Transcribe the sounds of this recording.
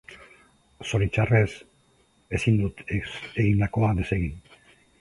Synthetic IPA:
so̞ɾit͡ʃare̞s | e̞sind̪ut̪e̞ɣind̪ako̞ad̪e̞se̞ɣin

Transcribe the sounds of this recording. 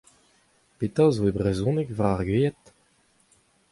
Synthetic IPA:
pet̪azoebʁezɔ̃nɛkvaʁaʁɡɥeːɛt̪

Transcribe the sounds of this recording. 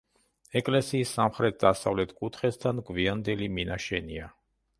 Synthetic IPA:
ɛkʼlɛsiːsːamχɾɛt̪̚d̪asavlɛt̪ʰkʼut̪ʰχɛst̪ʰanɡviand̪ɛliminaʃɛnia

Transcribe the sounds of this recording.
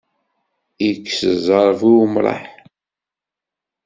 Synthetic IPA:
ikːsəzˤɑɾˤvumɾˤɑ̰ħ

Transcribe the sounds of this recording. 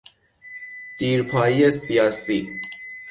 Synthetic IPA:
d̪̥iːɾpʰɒːjijesijɑːsiː

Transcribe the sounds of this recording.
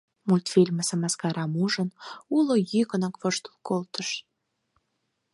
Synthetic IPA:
mulʲt̪fʲilʲməsəmɑskɑɾɑmuʒənulojykənɑkvəʃt̪u̥lˠkolt̪əʃ

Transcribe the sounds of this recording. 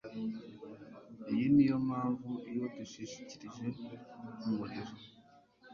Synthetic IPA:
ijinijo̞mhaːɱvuijo̞tuʃiʃi̥ciɾiʒe̞umwoneɾo

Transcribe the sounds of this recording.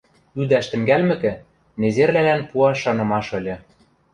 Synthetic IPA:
yd̪æʃt̪ɘ̆ŋɡælmɘ̆kɘ̆ | nezerlælænpuɑʃːɑnɤ̆mɑʃɤ̆lʲɤ̆

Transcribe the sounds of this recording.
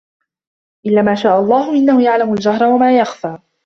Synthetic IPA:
ʔɪlːaːmaːʃaːʔalˤːɑːhʊʔɪnːahʊjaʕlamald͡ʒahɾˤawamaːjaxfaː

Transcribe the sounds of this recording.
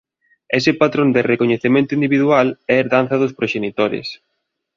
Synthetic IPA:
ɛsɪpat̪ɾond̪ɪrekoɲeθemẽnt̪ʊind̪iβiðualɛːɾðan̟θɐðospɾoʃenit̪oɾḛs

